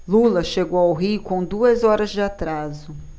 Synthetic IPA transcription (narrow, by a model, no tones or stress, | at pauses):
lulɐʃeɡowawɦikõd̪uɐzɔɾɐzd͡ʒɪat̪ɾazʊ